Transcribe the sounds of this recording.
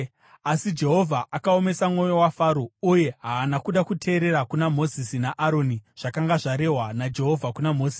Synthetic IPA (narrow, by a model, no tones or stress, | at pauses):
asid͡ʒe̞ɦo̞vʱaʔakao̞me̞samŋo̞jo̞wafaːɾouje̞ɦaːnakuɗakutʰe̞ːɾe̞ɾakunamo̞zisinaʔaɾo̞niʐ̥akaŋɡaʐaɾe̞ɦwanad͡ʒe̞ɦo̞vʱakunamo̞ːziːsi